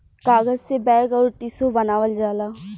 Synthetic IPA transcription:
kaːɡəzsebɛ̃ːɡɔːɾʈisobɐnaːʋəld͡ʒaːlaː

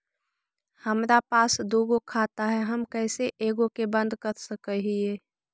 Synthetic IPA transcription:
həmɾapaːsd̪oɡokʰat̪aɦɛɦəmkəɪseʔeɡokebə̃nd̪ʱkəɾsəkəɦie

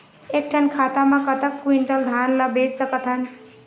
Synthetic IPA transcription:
ek̚ʈʰənkʰat̪amãkət̪əkːwiɳʈəld̪ʱanləbed͡ʒsəkət̪ɦən

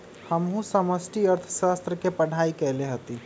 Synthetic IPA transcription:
həmɦũsəməsʈiəɾt̪ʰəʃast̪ɾəkepəɽ̤ʱaikɛːleɦət̪i

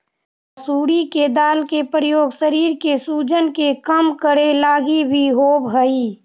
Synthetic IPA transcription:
əsuːɽiked̪aːlkepɾəjoːɡsəɾiːɾkesuːd͡ʒənkekəmkəɾelaːɡibʱiɦoːbɦəiː

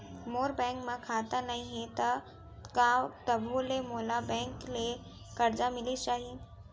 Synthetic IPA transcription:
moːɾbɛ̃ːŋkmãkʰaːt̪anaɦĩɦẽt̪ɐ | kãːt̪ɐbʱulemoːlabɛ̃ːŋkle | kɐɾd͡ʒamɪlit͡ʃaːɦi

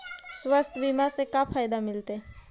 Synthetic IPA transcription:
swəst̪ʰbimasekapʰaːjd̪amɪlt̪e

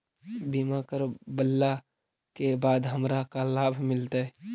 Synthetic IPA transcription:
bimakəɾbəlːa | kebaːd̪ɦəmɾakalaːbʱmɪlt̪aɛ

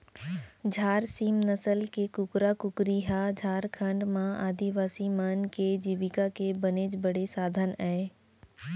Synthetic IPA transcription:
d͡ʒʱaːɾsiːmnəsəlkekʊkɾakʊkɾiɦad͡ʒʱaːɾkʰə̃ɳɖmãaːd̪iʋaːsimanked͡ʒiːʋɪkakebəneːd͡ʒbəɽesaːd̪ʱənɛː

